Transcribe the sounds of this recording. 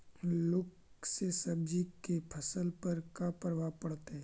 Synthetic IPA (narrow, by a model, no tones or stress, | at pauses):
lʊk | sesɐb̚d͡ʒikepʰəsəlpəɾkapəɾʋapɐɽt̪eɦɛ̃